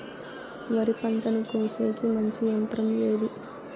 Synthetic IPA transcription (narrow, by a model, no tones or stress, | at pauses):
ʋɐɾipɐɳʈɐnukoːseːkimɐɲt͡ʃijɐnt̪ɾɐmleːd̪i